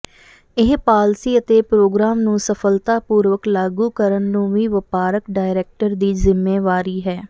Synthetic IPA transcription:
ɪɦpaːlsiːət̪eːpɾoːɡɾaːmnũːsəpʰəlt̪aːpuːɾʋəklaːɡuːkəɾənnũːʋiːʋəpaːɾəkɖaːɪɾeːk̚ʈəɾd̪iːzɪmːeːʋaːɾiːɦɛː

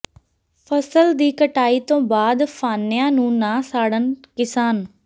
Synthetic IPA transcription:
pʰəsəld̪iːkəʈaːiːt̪õːbaːd̪pʰaːnɪjãːnũːnãːsaːɽənkɪsaːn

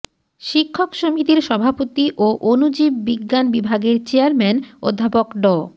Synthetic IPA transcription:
ʃikʰːokʃomit̪iɾʃɔbʱapot̪iʔoʔonud͡ʑibːiɡːanbibʱaɡeɾt͡ɕeaɾmɛno̰d̪ʱːapokɖɔ

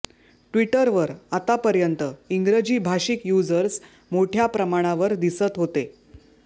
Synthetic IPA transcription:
ʈʋiʈəɾʋəɾat̪apəɾjənt̪əiŋɡɾəd͡ʑiːbʱaʂikjud͡zəɾs | moʈʰjapɾəmaɽ̃aʋəɾd̪isət̪ɦot̪e

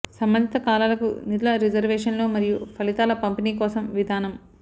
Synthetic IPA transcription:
sɐmbɐnd̪ʱit̪ɐkaːlaːlɐkṵnid̪ulɐɾid͡ʒɐɾʋɛːʂɐnlo̞ːmɐɾijupʰɐlit̪aːlɐpɐmpiniːkɔːsɐmʋid̪ʱaːnɐm

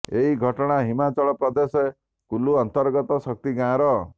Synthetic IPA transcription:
eɦiɡʱɔʈɔɽ̃aɦimat͡ʃɔɭɔpɾɔd̪ese | kuluɔnt̪ɔɾɡɔt̪ɔsɔk̚t̪iɡãɾɔ

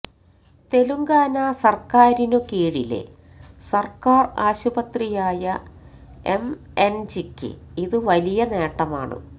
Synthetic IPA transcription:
t̪e̞luŋɡaːnɐsɐrkaːɾinokiːɻilḛ | sɐrkaːraːɕubɐt̪rijaːjɐ | em | end͡ʑikʲːɨ̰iðɨʋɐlijɐne̞ːʈːɐma̰ːɳɨ̰

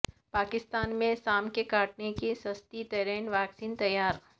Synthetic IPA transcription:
paːkɪst̪aːnmẽsaːmkekaːʈnekesɐst̪it̪ɛːɾɛːnʋaːksiːnt̪ɐjaːɾ

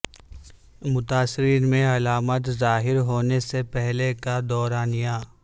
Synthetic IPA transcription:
mʊt̪aːsɪɾiːnmẽɐlaːmət̪zaːɦɪɾɦoːnesepɛɦlekad̪ɔːɾaːnijaː

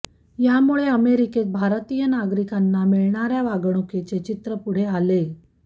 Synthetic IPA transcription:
jamuɭeəmeɾiket̪̚bʱaɾt̪ijənaɡɾikanːamiɭɳaɾjaʋaɡɽ̃uket͡set͡ɕit̪ɾəpuɽ̤eale

